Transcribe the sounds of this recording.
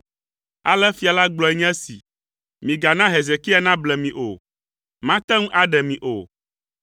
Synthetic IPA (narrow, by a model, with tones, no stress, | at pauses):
a̰˨lɛ˦fi˦a˨la˦ɡ͡blɔ˨ɛ˦ɲ˦ɛ̃˦sḭ˨ | mĩ˨ɡa˨nã˦ɦe˨ze˨ki˦a˦nã˦blɛ˨mĩ˨ʔo˨ | mã˦t̪ɛ̃˦ŋũ˦ʔa˦ɖɛ˨mĩ˨ʔo̰˨